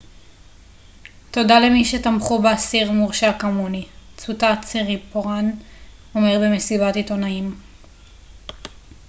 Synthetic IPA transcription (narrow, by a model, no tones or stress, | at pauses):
to̞dalemiʃetamχubeasiʁmuʁʃakamunit͡sutat͡seʁipoʁan | o̞meʁbemesibatito̞naim